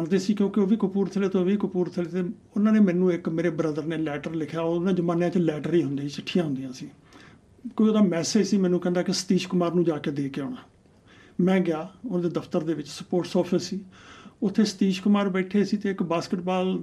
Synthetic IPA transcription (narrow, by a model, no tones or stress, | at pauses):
əɳd̪eːsiːkjõːkɪoːʋiːkʊpuːɾt̪ʰəleːt̪õːʋiːkʊpuːɾt̪ʰəleːt̪eː | ʊnãːneːmɛ̃ːnũːɪkmeːɾeːbɾəd̪əɾneːlɛːʈəɾlɪkʰjaːoːnãːd͡ʒəmãːnjãːt͡ʃlɛːʈəɾiːɦʊnd̪eːt͡ʃəʈʰːijãːɦʊ̃nd̪ɪjãːsiː | koːioːd̪aːmɛːseːd͡ʒsiːmɛ̃ːnũːkɛ̃nd̪aːkɪsə̥t̪iːʃkʊmaːɾnũːd͡ʒaːkeːd̪eːkeɔːɽaː | mɛ̃ːɡɪjaːʊnãːd̪eːd̪əpʰt̪əɾd̪eːʋɪt͡ʃsəpoːɾʈsɔːpʰɪsiːʊt̪ʰːeːsə̥t̪iːʃkʊmaːɾbɛːʈʰeːsiːt̪eːɪkbaːskɪʈbaːl